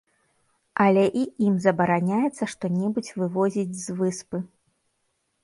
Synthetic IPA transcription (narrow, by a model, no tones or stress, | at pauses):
ʔɐlʲɛʔiimzɐbɐɾanʲajɛt̪sːɐʂt̪ɔnʲɛbut͡sʲvɨvɔzʲid͡zʲzvɨspɨ